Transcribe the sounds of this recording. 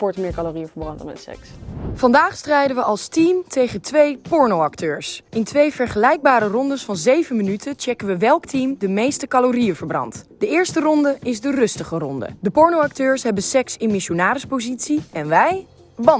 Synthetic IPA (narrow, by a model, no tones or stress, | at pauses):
pɔɹtmɪːɹkɑlorijəvəɹbrɑnd̰nmɛ̰tsɛ̰ksfɑndaːχstrɛjdənʋəɑlˠstimtejχəntʋejpɔɹnowɑktøːɹsɪntʋejvɛɹχəlɛjɡ̚baːɾərɔndəsfɑnzejvənmənytət͡ʃɛkənʋəʋɛlˠktimdəmejstəkɑlorijəvəɹbrɑ̰ntd̥əɪːɹstərɔndəɪzdərɵstəχərɔndə̰dəpɔɹnowɑk̚tøːɹsɦɛbənsɛksɪnmɪʃonaːɾəspozitsiɛnʋɛj | bɑ